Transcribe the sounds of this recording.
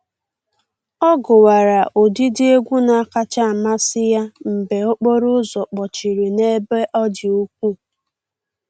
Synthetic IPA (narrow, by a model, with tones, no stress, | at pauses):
ɔ˦ɡʊ˨wa˨ɾa˨ʔo˨di˦dɪ˦e˦ɡʷu˦na˨a˦ka˦t͡ʃa˦˨ma˦sɪ˦ja˦m̩˨be˨o˦k͡po˦ɾʊ˦zɔ˨k͡pɔ˨t͡ʃi˨ɾi˨ne˦be˦ʔɔ˦d͡ʒɪ˨u˦kʷu˦